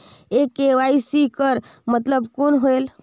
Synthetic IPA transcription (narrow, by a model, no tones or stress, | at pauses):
ekeʋaisikəɾmət̪ləbkonɦoel